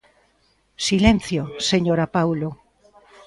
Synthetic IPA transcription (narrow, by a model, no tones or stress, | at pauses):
silenθjoseɲoɾapawlo